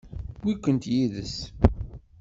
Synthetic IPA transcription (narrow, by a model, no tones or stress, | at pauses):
wikʷːənt̪jiðəs